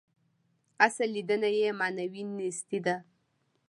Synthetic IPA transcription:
asalid̪ənajemɑnawinist̪id̪a

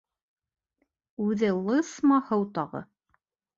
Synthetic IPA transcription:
ʉðɘlˠɤsmɑhɤwt̪ɑʁɤ̰

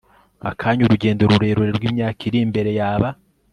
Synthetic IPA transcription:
a̰kʰaːɲuɾuɟe̞ːndoɾuɾe̞ːɾoɾeɾwiːmɲaːkiɾimbe̞ɾe̞jaːβa

